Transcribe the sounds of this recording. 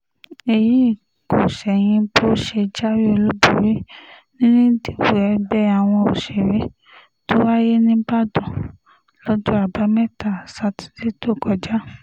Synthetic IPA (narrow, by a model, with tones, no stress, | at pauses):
e˨ji˨˦i˦˨ | ko˨ʃɛ˨j̃ĩ˧bo˦ʃe˧d͡ʒa˦wi˦o˧lu˦bu˨ɾi˦nĩ˦nĩ˦di˨bu˨ɛ˧˦bɛ˦a˨w̃ɔ̃˧o˨ʃɛ˨ɾe˨˦ | to˦wa˦je˦nĩ˦ba˦˨dɔ̃˨ | lɔ˦d͡ʒo˦a˦˨ba˧˦mɛ˦ta˦˨sa˨˧ti̥˨˦de˦to˦˨kɔ˧d͡ʒa˦